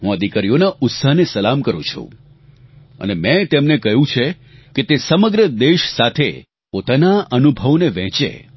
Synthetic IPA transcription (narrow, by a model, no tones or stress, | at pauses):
ɦũəd̪ʱikaɾijonaʊt̪saɦnesəlamkəɾũt͡ʃʰṵ̃ | ə̰nemɛ̃t̪emnekəɦjũt͡ʃʰe | ket̪esəməɡɾəd̪eʃsat̪ʰe | pot̪anaʔənubʱəʋneʋɛ̃t͡ʃḛ